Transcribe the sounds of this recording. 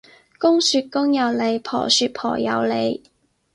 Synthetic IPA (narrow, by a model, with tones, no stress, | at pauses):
kʊ˥ŋsyː˨˧t̚kʊ˥ŋjɐ˨˧wle˨˧jpʰɔ̰ː˨˩syː˨˧t̚pʰɔ̰ː˨˩jɐ̰˨˧wle˨˧j